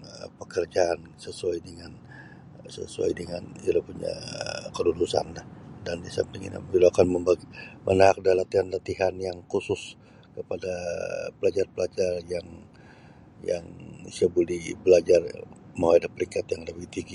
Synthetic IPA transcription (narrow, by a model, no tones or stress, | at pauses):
əpəkərd͡ʒaːn | səsuajdəŋan | sə̰sua̰jdəŋanilopuɲa̰kəludusa̰nlahdandisa̰mt̪iŋḭna̰miloakanməmaɡmʔənaak̚dalat̪ihanlat̪iɦanjaŋkusʊs | kəpadapəlad͡ʒarpəlad͡ʒarjaŋ | ja̰ŋisabulibəlad͡ʒarmawaadahpəɾiŋkat̪jaŋdəbiht̪iɡi